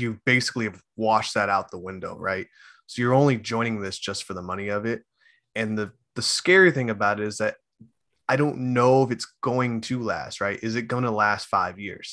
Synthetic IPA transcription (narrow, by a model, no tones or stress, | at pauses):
jɨbeɪsɨ̥kliv | wɑʃðɨɾaʊt̪̚ðəwɪ̃ndoʊɹa̰ɪt̚ | soʊjə˞õʊ̃nlid͡ʒɔ̃ɪ̃ñɪ̃ŋðɪsd̥ʒ̥ʌstfə˞ðəmʌñiʌvɪt̚ | ɨ̃nðɨ | ðɨskɛɹiθɪ̃ŋɨbaʊɾɨɾɨzðɨɾ | aɪɾõʊ̃nːoʊəfɨtsɡ̥oʊɪ̃ŋtʰɨlæ̰st̚ɹaɪɾʔɨzɨt̚ɡ̥oʊɪ̃ŋtʰəlæstfaɪvjɪ̰ɹz̥